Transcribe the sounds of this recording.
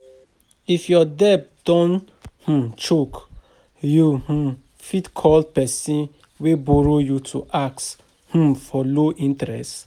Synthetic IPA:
ifjɔdɛp̚d̥ɔ̃n | h̩t͡ʃok | juh̩ | fitkʰɔld̚pɛsĩn | webɔɹojutʰuʔaks | h̩fɔloʔĩntɛɹɛ̰st

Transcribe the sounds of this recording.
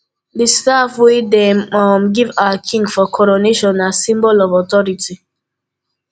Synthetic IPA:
distafwɪdɛmɔm̩ɡivaakʰĩŋɡfɔkʰɔɾoneʃɔ̃nːasĩmbɔlɔvɔtɔɾiti

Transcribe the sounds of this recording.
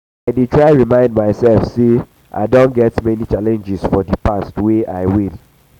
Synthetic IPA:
aɪdetʰɹaɪɹimãɪ̃ndmaɪsɛlfse | ʔa̰ɪdõnɡɛtmɛnit͡ʃalɛ̃nd͡ʒisfɔdipastweʔa̰ɪwil

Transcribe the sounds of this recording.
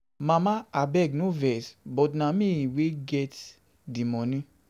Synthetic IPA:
mãmãabɛɡnũvɛsbɔtnãmĩiweɡɛt | dimɔ̃nĩ

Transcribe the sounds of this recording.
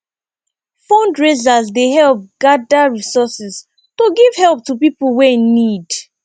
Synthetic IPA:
fɔ̃ndɹezazdeɦɛlp̚ɡ̥adaɹisɔsɛz | toɡiv̥hɛlˠp̚tupipl̩weinid

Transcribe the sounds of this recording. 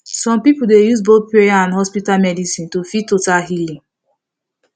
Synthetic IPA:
sɔ̃mpipuldejusboθpɹejaãnɦɔspitalmɛdisĩntufitotaɦilĩ

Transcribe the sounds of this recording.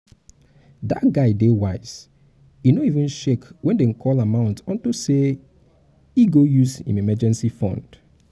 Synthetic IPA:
dat̚ɡaɪdewaɪz̥ | inoivɪ̃nʃekwɛ̃nden̩kʰɔlamãʊ̃ntɔ̃ntose | iɡojusḭ̃memɛd͡ʒɛ̃nsifɔ̰̃nd̥

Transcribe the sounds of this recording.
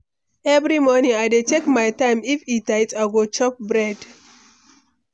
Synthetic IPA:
ɛvɾimɔnĩŋaɪdetekmaɪtãɪ̃mifitajtaɡot͡ʃɔp̚bɹɛd

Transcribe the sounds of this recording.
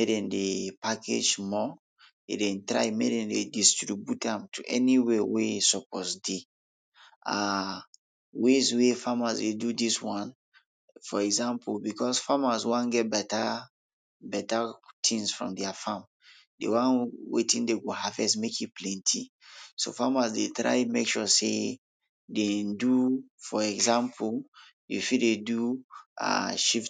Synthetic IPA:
medɛ̃ndepakʰḛd͡ʒmɔ | ḛdɛ̃ntɹa̰ɪmedɛ̃ndedistɹibjutãmtʰuʔɛ̰niwewesɔpɔsde | a | wezwefamazwedudiswãn | fɔɛɡzãmpulbikʰɔsfamazwãnɡɛt̚bɛta | bɛtatʰĩŋsfɹɔ̰̃mdɛafãm | dḛwãnwḛtĩndeɡohavɛ̰smekit̚pʰlɛ̃ntʰi | so̰famasdetɹa̰ɪmekʃɔsḛ | dendufɔɛɡzãmpʰul | jufidedua̰ʃif

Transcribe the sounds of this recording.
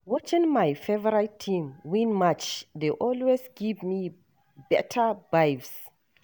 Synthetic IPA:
wɔt͡ʃĩnmajfevəɹajtʰːĩmwĩnmat͡ʃdeʔɔlwesɡivmi | bɛtʰəbajvs

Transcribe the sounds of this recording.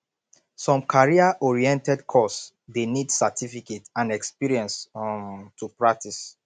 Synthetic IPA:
sɔ̃mkʰaɹiaʔɔɹiɛ̃ntɛdkʰɔs | denidsatifiketãnɛkspiɹiɛ̃ns | tʰupɹak̚tʰis

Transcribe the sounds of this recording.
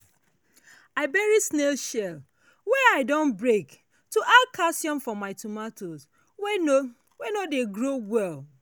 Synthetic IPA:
aɪbɛɹisnelʃɛl | wɛaɪdõnbɹek | tuʔalkʰasjɔ̃nfɔmaɪtʰumatʰoz | wno | wenodeɡɹowɛlˠ

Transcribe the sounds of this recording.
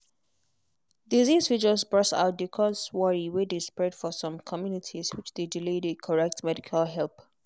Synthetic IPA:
dizizwid͡ʒəlsbɹɛsa̰ʊt̚dikʰɔ̃swɔɹiwedespɹɛd̥fɔsɔ̃mkʰɔmjunitʰizwɪt͡ʃdediledekʰɔɹɛk̚tmɛdikʰalɦɛlˠp

